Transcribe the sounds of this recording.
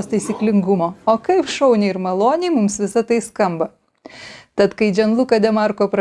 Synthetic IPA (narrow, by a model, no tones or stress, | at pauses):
st̪ɐɪsʲiːklʲɪŋɡʊmoːoːkɐɪpʃɐʊnʲeɪɾmɐlˠoːnʲeɪmʊmsʋʲɪsɐt̪ɐɪskɐmbɐ | t̪ɐt̪kɐɪd͡ʒʲɛnlˠukɐd̪ʲɛmɑɾkoːpɾɐ